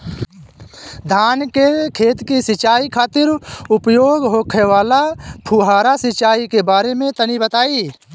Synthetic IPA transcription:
d̪ʱaːnkekʰeːt̪kisɪt͡ʃaːikʰaːt̪ɪɾʊpjoːɡɦoːkʰeʋaːlapʰuːɦaːɾasɪt͡ʃaːikebaːɾemẽt̪ənibət̪aːi

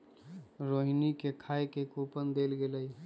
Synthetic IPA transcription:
ɾoɦinikekʰaekekupənd̪elɡeləj

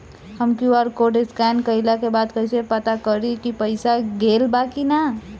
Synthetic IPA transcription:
həmkjuɔːɾkoːʈɪskɛːnkəɪlakebaːd̪kəɪsepət̪akəɾikipɐɪsaɡeːlbaːkina

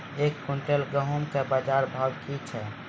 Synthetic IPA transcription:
ekːuɳʈelɡəɦumkebəd͡ʒaɾbʱaɡkit͡ʃʰɛ

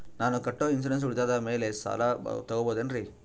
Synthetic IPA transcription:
naːnukɐʈːoːins̬ɐɾens̬uɽit̪aːd̪ɐmeːle̞sa̰ːlat̪ɐɡoboːd̪enɾi

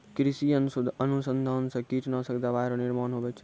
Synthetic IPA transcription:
kɾisiənusʊd̪ʱənusənd̪ʱaːnsɐ̃kit̪nɐsɐkd̪aʋaːjɾonɪɾmaːnɦobɛt͡ʃʰ

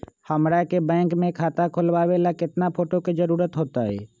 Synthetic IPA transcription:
həmɾakebɛ̃ːŋkmẽkʰaːt̪akʰʊlwaːʋelakɪt̪napʰoːʈoked͡ʒəɾuːɾət̪ɦoːt̪aɦɛ̰ː

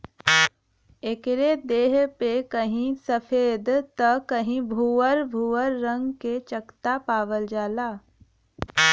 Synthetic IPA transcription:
ekɾed̪eːɦpekəɦĩsəfʰeːd̪t̪əkəɦĩbʱuːəɾbʱuːəɾːə̃ŋɡket͡ʃəkt̪apaːʋəld͡ʒaːlaː

